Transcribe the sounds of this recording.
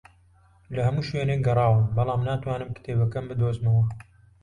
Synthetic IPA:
lɐhɐmuːʃweːneːk̚ɡɐrˤɑːwɨmbɐlɑːmnaːt̪waːnɨmkɪ̥t̪ʰeːbɐkɐmbɨd̪oːzmɐwɐ

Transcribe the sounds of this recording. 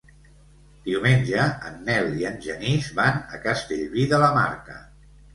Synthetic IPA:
d̪̥iwmenʲʒəənːɛliənʲʒənizβanə̰kəst̪eʎβiðələma̰ɾkə̰

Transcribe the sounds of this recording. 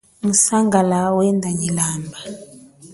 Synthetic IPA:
musaŋɡalawɛndʱaɲilaːmba

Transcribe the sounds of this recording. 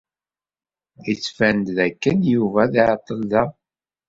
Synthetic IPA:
it͡sːfænd̪ðækːənjuvæðiʕt̪ˤːəlðæ

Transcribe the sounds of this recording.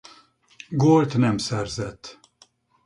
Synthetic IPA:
ɡolt̪nɛmsɛrzɛt̪ː

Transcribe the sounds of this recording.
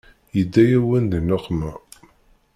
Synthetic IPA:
jəd̪ːæjæwənd̪ənoqːmæ

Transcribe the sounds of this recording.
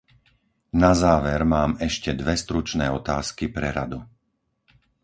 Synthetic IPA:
nazaːʋɛɾmaːmɛʃcɛd̪ʋɛst̪ɾut͡ʃnɛːɔt̪aːskipɾɛɾa̰d̪u

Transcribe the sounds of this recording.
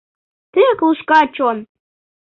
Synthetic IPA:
t̪ekluʃkɑt͡ɕon

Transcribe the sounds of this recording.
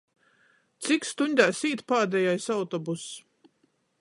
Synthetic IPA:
t̪sikst̪uɲʲd̪ʲaːsiːt̪paːd̪ɛjajsawt̪ɔbus

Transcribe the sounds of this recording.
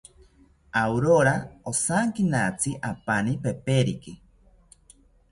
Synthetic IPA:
awɾoɾaosaŋkinat͡siʔapanipepeɾiki

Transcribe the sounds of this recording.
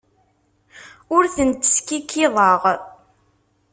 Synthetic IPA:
ʊɾθənt̪ːə̥skikʰːɪðˤəʁ

